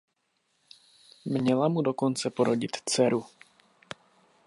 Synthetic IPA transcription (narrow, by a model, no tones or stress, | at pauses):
mɲɛlamudo̞ko̞nt͡sɛpo̞ɾo̞ɟɪt̪t͡sɛɾu